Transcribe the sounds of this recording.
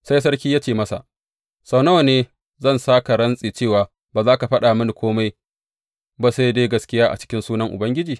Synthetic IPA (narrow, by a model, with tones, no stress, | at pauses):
sa˦js̬ɐ˦ɾkʲiː˦jaː˦t͡ʃeː˨mɐ˦sa̰˨ | sɐ˨na˦˨neː˦ | zɐ˦˨nsaː˦ka˨ɽɐ˦nsʼiː˨t͡ʃeː˦˨waː˨ | baː˨zaː˦ka˨ɸɐ˦ɗaː˨mɪ˦ni˨kʷʰoː˦ma˦j | ba˨sa˦jdeː˦ɡɐ˨skʲɪ˦jaː˦ʔa̰˨t͡ʃɪ̥˦kʲɪ˦nsuː˦nɐ˦ŋʔʊ˨bɐ˦ŋɡʲɪ˦d͡ʒiː˨